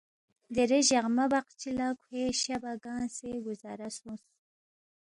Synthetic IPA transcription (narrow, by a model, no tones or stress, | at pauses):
d̪eɾeʑaʁmabaqt͡ʃilakʰheɕabaɡɑːnseɡuzɑɾasus